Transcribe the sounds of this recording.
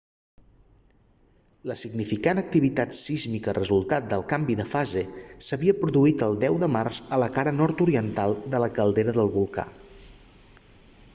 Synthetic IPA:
ləsiɡnifikanək̚t̪iβit̪at̪sizmikərəzulˠt̪at̪̚d̪əlˠkambiðəfazesəβiəpɾuðuit̪əlˠd̪ɛwðəmarz̥ələkaɾənɔɾt̪uɾiənt̪alˠd̪ələkəlˠd̪eɾəðəlˠβulˠka̰

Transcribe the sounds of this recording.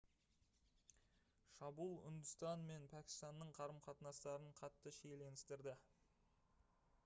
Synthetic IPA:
ʃɑbulˠʏ̰nd̪ʊst̪ɑnme̞npʰækʲɪ̥st̪ɑnːəɴqʰɑɾəmqʰɑt̪nɑst̪ɑɾəɴqʰɑt̪ːəʃejle̞nɪst̪ɪɾd̪ɪ

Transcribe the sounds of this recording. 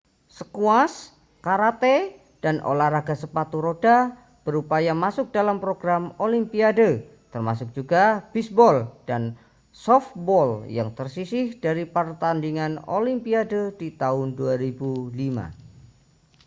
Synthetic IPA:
səkuas | kaɾat̪e | d̥anʔo̰lahraɡasəpat̪uɾoda | b̥əɾupajamasʊk̚dalampɾoɡɾamolimpiadə | t̪ərmasʊk̚d͡ʒ̥uɡab̥isbɔld̥an | sɔfbɔlja̰ŋt̪ərsisɪhd̥aɾipərt̪andiŋano̰limpiadədit̪aʊnduaɾibulima̰

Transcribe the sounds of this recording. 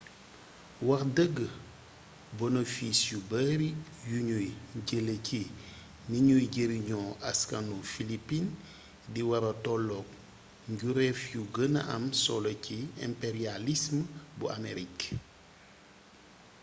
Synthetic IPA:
wɐxdəɡːə | bonofisjubəɾi | juɲujɟələcʰi | niɲujɟəɾiɲɔʔaskanufilipin | diwɐɾɐtɔlɔk̚ | ɲɟuɾɛfjuɡəna̰ʔɐ̰msɔlɐciɛ̰mpeɾialismbuameɾik

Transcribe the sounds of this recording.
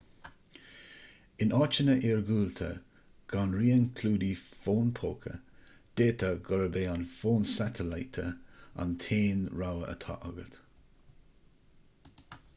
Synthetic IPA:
ɪnɑːt͡ʃənəʔiːɹɡuːlt̪ʰə̰ | ɡ̥anɹiːənkʰluːd̪ifoːnpʰoːkʰə̰d̪̥eːt̪ʰəɡɔɾəbeːanfoːnsat̪ʰəlajt̪ʰəa̰nt̪ʰeːnɹawəʔə̰t̪ʰa̰ʔɔɡət̪

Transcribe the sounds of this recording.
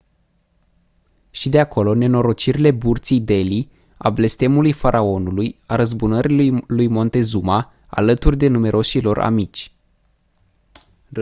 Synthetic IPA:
ʃid̪e̞akʰo̞lo̞ne̞no̞ɾo̞t͡ʃiɾile̞burt̪sijd̪e̞li | a̰ble̞st̪e̞mulujfaɾʔao̞nulujaɾəzbunəɾilujmo̞nt̪e̞zuma | a̰lət̪urʲd̪e̞nume̞ɾʔo̞ʃilo̞ra̰mit͡ʃʲ

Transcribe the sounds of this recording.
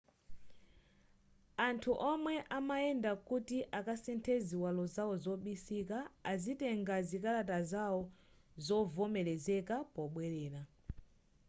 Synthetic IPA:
antʰuʔɔmwɛʔamaɛndakutiʔakasɛntʰɛziwalɔzaɔzɔɓisikaːzitɛŋɡazikalatazaɔ | zɔvɔmɛɾɛzɛkapɔɓwɛɾɛːɾa

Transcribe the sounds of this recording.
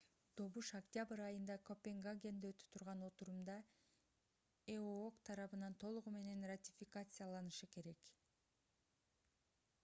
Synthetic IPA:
d̪̥o̞βuʃaktʲabɨɾɑjɯnd̪ɑko̞pʲeŋɡaɡʲe̞nd̪eøt̪y̥t̪ʰuɾʁɑno̞t̪uɾumd̪ɑ | eookt̪ʰɑɾɑβɯnɑnt̪ʰo̞lˠuʁume̞ne̞nratʲifʲikat̪sɨjalˠɑnɯʃɯke̞ɾe̞k

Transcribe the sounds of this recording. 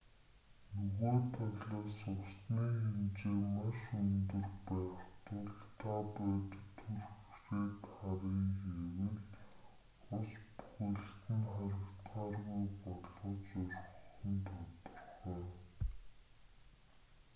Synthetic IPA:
nɵɣoːt̪ʰaɣɮaːsʊksniːxemt͡ɕeːmaʃɵnt̪ɵ̆rpæːχt̪ʊɮt̪ʰapæːt̪t̪ʰurxexeːt̪χaɾiːŋxewɘ̆ɮ | ʊspu̥xŭɬt̪ɘ̆nχaɾə̆kt̪χaːrɣujpɔɮɞ̆t͡ɕʊɾχə̆nt̪ʰɔt̪ɞ̆rχœː

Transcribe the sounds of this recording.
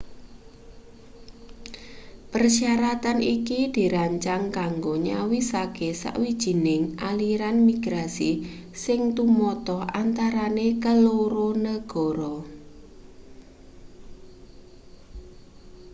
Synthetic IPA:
pərsiaɾat̪anikid̪̥i̤ɾaɲt͡ʃaŋkaŋɡoɲawisakesa̰ʔwid̥ʒ̥i̤nɪŋʔaliɾanmiɡ̥ɾasi | sɪŋt̪umɔt̪ɔhant̪aɾanekəloɾonəɡ̥ɔ̤ɾɔ

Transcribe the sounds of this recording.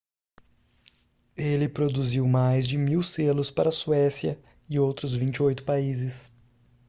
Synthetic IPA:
elɪpɾod̪uziwmajzd͡ʒɪmiwselʊspaɾɐsuɛsjɐ | ɪowt̪ɾʊzvĩnt͡ʃɪojt̪ʊ̥paizɪs

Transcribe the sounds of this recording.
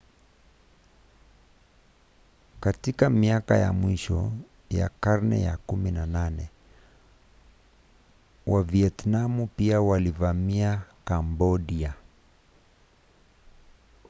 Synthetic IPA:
katikamiakaja̰mwiʃɔ̰ | ja̰kaɾnɛ̰ja̰kuminananɛ | waviɛtnamupiawalivamiakambɔɗia

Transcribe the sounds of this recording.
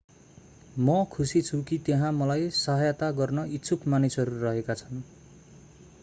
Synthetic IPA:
mʌkʰusit͡sʰukit̪eɦãmʌlajsʌɦʌjʌt̪aɡʌrnʌitːsʰukmanisʌɾurʌɦekat͡sʰʌn

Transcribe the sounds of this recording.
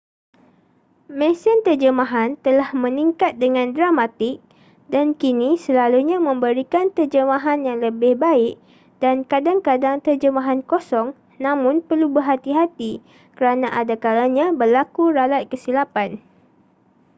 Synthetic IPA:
mɛ̃sənt̪ərd͡ʒəmãɦant̪əlahmə̃niŋkat̪̚dəŋãndɾamat̪ɪk̚ | dankinisəlaluɲãmə̃mbəɾikant̪ərd͡ʒəmãɦanjaŋləbɪhbaɪk̚ | dankadaŋkadaŋt̪ərd͡ʒəmaɦankosɔŋ | nãmʊ̃npərlubərɦat̪iɦat̪i | kəɾanãʔadakalaɲãbərlakuɾalat̪̚kəsilapan

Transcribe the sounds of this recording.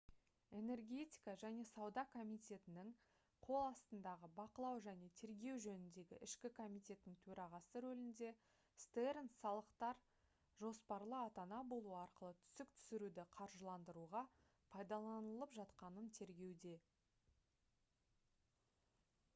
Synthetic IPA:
e̞ne̞rɡʲe̞t̪ʲi̥kɑʒæne̞sɑwd̪ɑkʰo̞mijt̪ʲe̞t̪ɪnɪŋ | qʰo̞lˠɑst̪ənd̪ɑʁəbɑqəlˠɑwʒæne̞t̪ʰe̞ɾɡʲe̞wʒɵnɪnd̪e̞ɡʲɪ̰ʔɪʃkʲɪkʰo̞mijt̪ʲe̞t̪ːɪŋt̪ʰɵɾɑʁɑsəɾɵlɪnd̪e̞ | st̪eɾənsɑlˠəqt̪ɑɾ | ʒo̞spɑɾlˠəɑt̪ɑnɑbo̞lˠuəɑɾqəlˠət̪ʰʏ̥sɪk̚t̪ʰʏ̥sɪɾud̪ɪqʰɑɾʒəlˠɑnd̪əɾuʁɑ | pʰɑjd̪ɑlˠɑnəlˠəpʒɑt̪qɑnənt̪ʰe̞ɾɡʲe̞wd̪e̞

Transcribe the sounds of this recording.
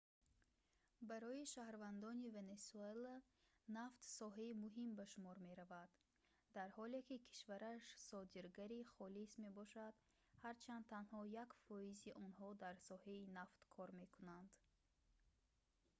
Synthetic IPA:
baɾɔiʃahɾvand̪ɔnive̞nesuela | naft̪sɔɦaimuɦimbaʃumɔɾme̞ɾavad̪ | d̪aɾhɔlekikʰi̥ʃvaɾaʃsɔd̪iɾɡaɾiχɔlisme̞bɔʃad̪ | haɾt͡ʃʰand̪ʰanhɔjakfɔiziʔɔnɦɔd̪aɾsɔhainaft̪kʰɔɾme̞kʰunand̪̥

